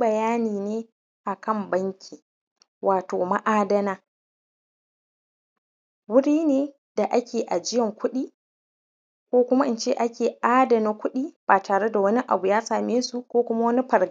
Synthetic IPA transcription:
bɐ˨jaː˦niː˨neː˦ | ʔa˨kɐ˦˨mbɐ˦ŋkʲʰiː˨ | wʔaː˨toː˨ma˦ʔaː˦dɐ˦naː˦ | wʊ˦ɽiː˦neː˨ | da˨ʔa˦kʲʰeː˨ʔa˨d͡ʒɪ˦jɐ˨ŋkʷʊ˦ɗiː˦ | kʷoː˦kʷʊ˦ma˦ʔɪ˦nt͡ʃḛ˦˨ʔa˦kʲeː˨ʔaː˦dɐ˨na˦kʷʊ˦ɗiː˦baː˨taː˨ɽe˦da˨wɐ˦ni˦ʔa̰˨bu˨jaː˦saː˨meː˦su˨kʷoː˦kʷʊ˦ma˦wɐ˦ni˦ɸɐ˨ɾ

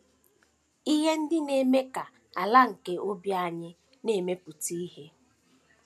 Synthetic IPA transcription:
i˦ɦe˦n̩˦dɪ˦ne˨me˦ka˨ | a˨la˦ŋ̩˨ke˦ʔo˦bja˦˨ɲɪ˦ | ne˨me˦pu˨ti˦i˦ɦe˦

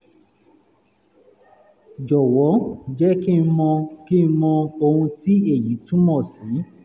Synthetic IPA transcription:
d͡ʒɔ˨wɔ˨˦˨d͡ʒɛ˦ki˦n̩˧˦mɔ̃˧ki˦n̩˧˦mɔ̃˧o˧hũ˧ti˦e˦˨ji˨˦tũ˦mɔ̃˦˨sĩ˨˦

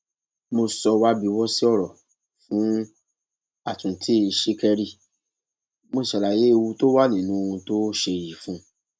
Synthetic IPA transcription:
mo˧sɔ˧wa˦bi˧wɔ˦si˦ɔ˦˨ɾɔ˨ | fũ˨˦ | a˨tũ˨tʰi˦˧˨i˨ʃe˦kɛ˧ɾi˦˨ | mo˧˨ʃa˨la˨je˨˦e˧wu˧to˦wa˦nĩ˨nũ˨˦˧ũ˧to˦ʃe˧˨ji˨fũ˦

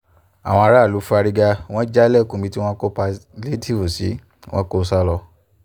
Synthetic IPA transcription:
a̰˨w̃ɔ̃˧a˧ɾa˦˨lu˨˦fu˦a˧ɾi˧ɡa˧w̃ɔ̃˦d͡ʒa˦lɛ˦˨kũ˧˨bi˧ti˦w̃ɔ̃˦ko˦pa˧le˦tʰi˦˨vu˨sḭ˨˦ | wʔɔ̃˦ko˦sa˦lɔ˧

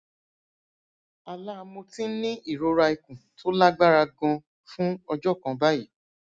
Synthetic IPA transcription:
a˨la˦˧mõ˧tĩ˦nĩ˦i˦˨ɾo˧ɾa˧i˨kũ˨tʰo˦la˦ɡ͡ba˦ɾa˧ɡɔ̃˧ | fũ˦ɔ˧d͡ʒɔ˦˨kã˨˧ba˦ji˦˨

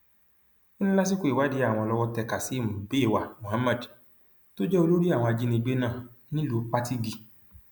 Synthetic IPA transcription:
i˦nĩ˦la˦s̬i˦ku˦i˨wa˨˦di˨˧˦a˦˨w̃ɔ̃˧lɔ˧wɔ˦tɛ˧˨ka˨si˨˦˨mũ˨be˨˦˨wa˨mõ˨ha˦ma˦˨d | to˦d͡ʒɛ˦o˧lo˦ɾi˦a˦˨wɔ̃˧a˧d͡ʒi˦nĩ˧˦ɡ͡be˦nãː˦˨nĩ˦lo˨˦k͡pa˦ti˦ɡi˧

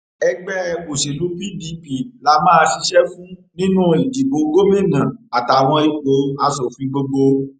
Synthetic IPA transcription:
ɛ˧ɡ͡bɛ˦˧ko˨ʃe˨lu˨˦pi˦di˨˦pi˨la˨˧˦mãː˦˧ʃi˧ʃɛ˦fũ˦nĩ˦nũ˦i˨di˨bo˨˦ɡo˦mĩ˦˨nã˨a˨ta˨w̃ɔ̃˧i˨k͡po˨˦a˧sɔ˨fi˨˦ɡ͡bo˧ɡ͡bo˧

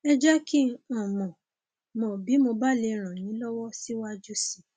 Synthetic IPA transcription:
ɛ˦d͡ʒa˦kĩ˦ɔ̃˨mɔ̃˨ | mɔ̃˨bi˨˦mo˧ba˦le˧ɾ̃ã˨nĩ˨˦lɔ˦wɔ˦si˦wa˦d͡ʒu˦si˦˨

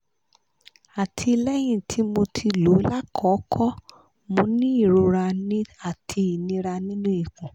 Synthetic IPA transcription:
a˨tʰi˧lɛ˦j̃ĩ˦˨tʰi˨˦mo˧tʰi˧lo˨˦la˦kʰɔ˨˦kʰɔ˦ | mõ˧˦nĩ˦i˦˨ɾo˧ɾa˧nĩ˦a˦˨tʰi˧i˨nĩ˧ɾa˧nĩ˦nũ˦i˦˨kũ˨

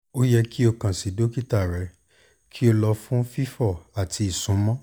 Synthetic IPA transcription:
o˦jɛ˧ki˦o˧kã˨si˨do˦ki˦ta˦˨ɾɛ˨˦ | kʰi˦o˧lɔ˧fũ˦fi˦fɔ˦˨a˨tʰi˧˦i˨sũ˨˦mɔ̃˦

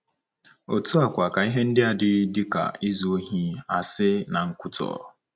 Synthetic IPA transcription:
o˨tu˦a˨kʷa˨ka˨i˦ɦe˦n̩˦dɪ˦a˨dɪ˦dɪ˦ka̰˨i˦zu˨o˦ɦi˦a˨sɪ˦na˨ŋ̩˦kʷʊ˦tɔ̰ː˨

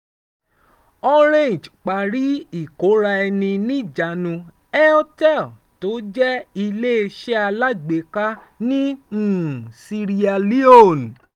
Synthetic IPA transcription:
ɔ˦ɾ̃ẽ˦˨d͡ʒk͡pa˨ɾi˨˦i˦˨ko˨˦ɾa˧ɛ˧nĩ˧nĩ˦˨d͡ʒa˨nũ˧ | ɛ˦ɔ˦tɛ˦˨l | to˨˦d͡ʒɛ˦i˧le˦e˧ʃɛ˦a˧la˦ɡ͡be˨ka˦ | nĩ˦ũ˨si˧ɾi˧a˧li˦o˦˨n˨

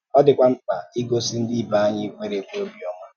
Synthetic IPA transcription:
ɔ˦dɪ˨kʷa˦ŋ͡m̩˦k͡pa̰˨i˦ɡo˦si˦n̩˦di˦i˦˨ba˨a˦ɲɪ˦kʷe˦ɾe˦kʷe˦o˦bi˨ɔ˦ŋʷa˦

